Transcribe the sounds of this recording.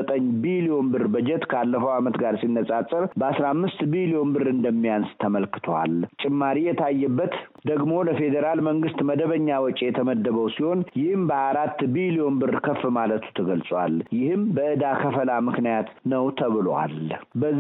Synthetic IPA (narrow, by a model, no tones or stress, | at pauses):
ət̪ʼəɲːbilio̞nbɨrbəd͡ʒɛt̪kʰəalːəfəwamət̪ɡaɾsinːəsʼasʼəɾbəasɾamːɨst̪bilio̞nbɨrɨnd̪əmːijanst̪ʰəməlkɨ̥t̪ʰwa̰lt͡ʃʼɪmːaɾijɛt̪ʰajːɛbːət̪ | d̪əɡmo̞ləfe̞d̪əɾalməŋɡɨst̪məd̪əβəɲːawɔt͡ʃʼejɛt̪ʰəməd̪ːəβəwsiho̞njɪhɨmbəaaɾat̪ːbilio̞nbɨrkʰəfɨmalət̪ʰu̥t̪ʰəɡəlsʼwa̰ljɪhɨmbəʔɨd̪akʰəfəlamɨknijat̪nəwt̪ʰəβɨla̰lbə